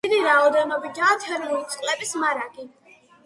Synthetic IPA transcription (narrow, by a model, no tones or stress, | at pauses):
iɾiɾaɔd̪ɛnɔbiɡaːt̪ʰɛɾulisʼqʼlɛbismaɾaɡi